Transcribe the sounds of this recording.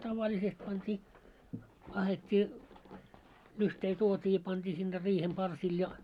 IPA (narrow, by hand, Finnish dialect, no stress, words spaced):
tɑʋɑlʲisest pɑntʲiː ɑhetʲːiː lyhtei tuotʲiː jɑ pɑntʲiː sinːe riːhem pɑrsil jɑ